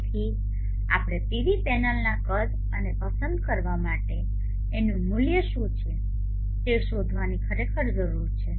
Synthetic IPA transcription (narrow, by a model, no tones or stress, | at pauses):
t̪ʰi | a̰pɽ̃et̪iʋipɛnalnakəl | ənepəsənd̪̚kəɾʋamaʈeː | nũmuljəʃũt͡ʃʰe | t̪eʃod̪ʱʋanikʰəɾekʰəɾd͡ʒəɾuɾt͡ʃʰe